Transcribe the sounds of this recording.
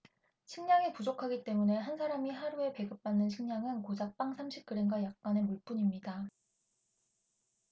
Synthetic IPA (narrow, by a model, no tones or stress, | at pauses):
ɕʰiŋɲaŋepud͡ʑokʰaɡit͈e̞mune̞ɦansʰaɾamiɦaɾue̞pe̞ɡɯp̚p͈anːɯnɕʰiŋɲaŋɯnkod͡ʑak̚p͈aŋsʰamɕʰip̚k͈ɯɾeŋɡwajak̚k͈anemuɭp͈uɲimɲida